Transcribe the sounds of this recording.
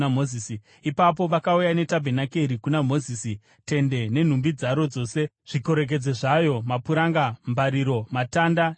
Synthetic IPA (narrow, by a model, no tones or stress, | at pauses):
amoiːsi | ipap̬o̞ʋakaujane̞tabʱenakeɾikunamo̞zisi | te̞nde̞ne̞n̤umbid͡zaɾo̞d͡zo̞ːse | ʐ̥iko̞ɾe̞k̬e̞d͡zeʐajo̞mapuɾaŋɡambaɾiɾo̞matanda